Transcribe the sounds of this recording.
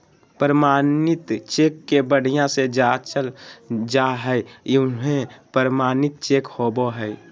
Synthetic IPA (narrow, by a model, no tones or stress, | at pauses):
pəɾəmaːnɪt̪t͡ʃekːebəɽ̤ijãsed͡ʒat͡ʃəld͡ʒaɦəɪɦẽpəɾmaːnɪt̪̚t͡ʃekhoboɦəɪ